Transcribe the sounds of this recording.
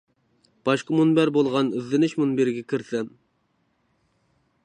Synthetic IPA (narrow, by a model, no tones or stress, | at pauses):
b̥ɑʃqɑmunbæɾbolˠʁɑnyzːɪnɪʃmunbeɾɡʲɛkʲʰiɾsɛm